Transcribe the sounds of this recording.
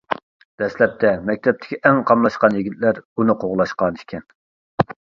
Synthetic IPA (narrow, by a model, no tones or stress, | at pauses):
d̪̥ɛslɛp̚t̪ʰɛmɛk̚ʲt̪ʰɛp̚t̪ʰɪ̥kʲʰiʔɛŋqʰɑmlˠɑʃqɑnjiɡʲit̪̚læɾunɨqʰoʁlˠɑʃqɑniʃkʲʰɛn